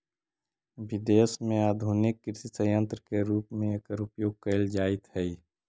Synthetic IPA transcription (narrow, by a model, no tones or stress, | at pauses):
ʋɪd̪eːsmẽaːd̪ʱuːnɪkːɪɾsisəjə̃nt̪ɾəkeɾuːpmẽeːkəɾʊpjoːɡ̚kəld͡ʒaːɪt̪ɦɛi